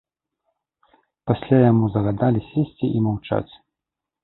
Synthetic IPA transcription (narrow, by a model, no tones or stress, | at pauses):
pasʲlʲajamuzɐɣad̪alʲisʲesʲt͡sʲiʔimawt͡ʂa̰t͡sʲ